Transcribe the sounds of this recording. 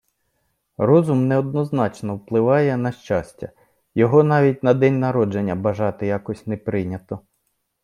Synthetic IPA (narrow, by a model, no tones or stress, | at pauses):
rɔzʊmnɛɔd̪̚nɔznɑt͡ʃnɔwplˠɪʋɑjɛnɐʃt͡ʃasʲtʲɐ̰ | jɔɦɔnɑʋʲitʲnɐd̪ɛnʲnɐɾɔd͡ʒenʲːɐbɐʒɑt̪ɪjɑkɔsʲnɛpɾɪnʲɐt̪ɔ